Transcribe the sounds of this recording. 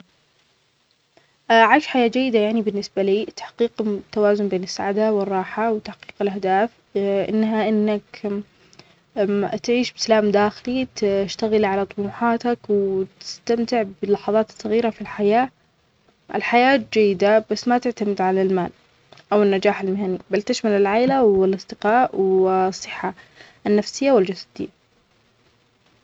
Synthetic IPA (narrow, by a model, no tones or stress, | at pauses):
ʔʕaʃħajaːd͡ʒajːɪd̪ajaʕnibɪnːɪsbaliːt̪ḁħqiːqt̪ːawaːzʊnbeːnɪsːaʕad̪awɪrˤːɑːħawt̪aħqiːqɪlʔahd̪aːf | ʔɪ̰nːɦaʔɪnːak | t̪ʕiːʃbɪsalaːmd̪aːxɪlit̪ʃt̪aɣɪlʕalat̪ˤʊmuːħɑːt̪akwt̪ɪ̥st̪amt̪ɪʕbɪlːɑħɑðˤɑːt̪sˤːɑɣiːɾafilħajaː | ʔɪ̰lħajaːt̪̚d͡ʒajːɪd̪abasːmat̪ɪʕt̪amɪd̪ʕalalmaːl | ʔawɪnːad͡ʒaːħalmɪɦanibalt̪ɪʃmalɪlʕaːlawɪlʔɑsˤd̪ɨqɑːʔwsˤːɨħːa | nːafsɪjːawɪld͡ʒasad̪ɪ̰jːa